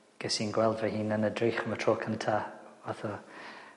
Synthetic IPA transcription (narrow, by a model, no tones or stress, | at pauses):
ɡ̥ɛsinɡwɛlˠdvahiːnənədrijχəmətʰroːkʰanətʰaːvaθɔ